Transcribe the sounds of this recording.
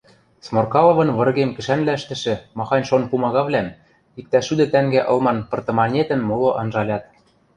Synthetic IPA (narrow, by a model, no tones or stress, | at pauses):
smorkɑlɤ̆βɤ̆nβɤ̆rɣemkɘ̆ʃænlæ̆ʃt̪ɘ̆ʃɘ̆mɑxɑnʲʃonpumɑɣɑβlæm | ik̚t̪æʃyd̪ɘ̆t̪æŋɡæʔɤ̆lˠmɑnpɤ̆rt̪ɤ̆mɑnʲet̪ɘ̆nmoloʔɑnʒɑlʲɑt̪